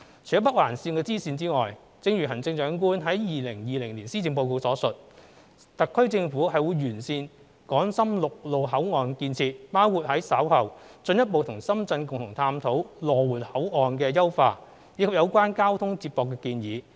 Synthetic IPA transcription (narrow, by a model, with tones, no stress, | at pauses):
t͡sʰɵ˨˩ɐ˥p̬ɐ˥waː˨˩nsiː˧nkɛː˧t͡siː˥siː˧nt͡siː˥ŋɔː˨˩j | t͡sɪ˧ŋɥy˨˩ɦɐ˨˩nt͡sɪ˧ŋt͡ʃœː˨˧˥ŋk̬uː˥nɦɐ˨˥jjiː˨lɪ˨˩ŋjiː˨lɪ˨˩ŋliː˨˩nsiː˥i˨˧ŋpo˧wko˧wsɔː˨˥sɵ˨t̚ | t̪ɐ˨kʰːɵ˥ɥt͡sɪ˧ŋfuː˨˥hɐ˨jwuː˨˧jɥyː˨˩nsiː˧n | kɔː˨˥ŋsɐ˥mlʊ˨k̚lo˨wɦɐ˨˥wŋɔː˨nkiː˧nt͡sʰiː˧t̚paː˥wkʰuː˨t̚hɐ˨˥jsɐ˨˥whɐ˨˩wt͡sɵ˧njɐ˥t̚po˨wt̪ʰʊ˨˩ŋsɐ˥mt͡sɐ˧nkʊ˨ŋt̪ʰʊ˨˩ŋt̪ʰaː˧mt̪ʰo˨˥wlɔː˨wuː˨˩nhɐ˨˥wɔː˨nkɛː˧jɐ˥wfaː˧ | jiː˨˧kʰɐ˨p̚jɐ˨˧wkʷaː˥nkaː˥wt̪ʰʊ˥ŋt͡siː˧p̚pɔː˨˧kːɛː˧kiː˧njiː˨˧